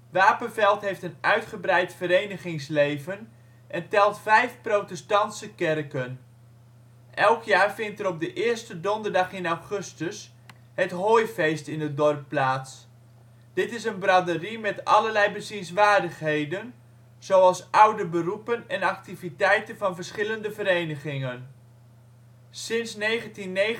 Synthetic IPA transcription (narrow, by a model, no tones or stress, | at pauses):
ʋaːpənvɛlˠtɦejftənœɥtχəbrɛjtfəɾejnəχɪŋslejvən | ʔɛntɛlˠtfɛjfprowtɛstɑntsəkɛrkən | ʔɛlˠkʰjaːrfɪntəɾɔb̚dəʔɪərstədɔndərdɑχɪnawχɵstəs | hətɦoːjfejstɪnədɔrpːlaːts | d̥ɪtɪsənbradərimɛtɑ̰lərlɛjbəsinsʋaːrdəχɦejdən | z̥owɑlˠsʔawdəbərupənɛnɑk̚tivitɛjtənvɑnvərsχɪləndəvəɾejnəχɪŋən | sɪnsnejχəntinːe